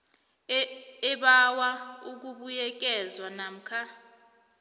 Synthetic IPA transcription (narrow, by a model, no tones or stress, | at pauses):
ɛɓawauk̬uɓujɛk̬ʼɛzwanam̩kʰa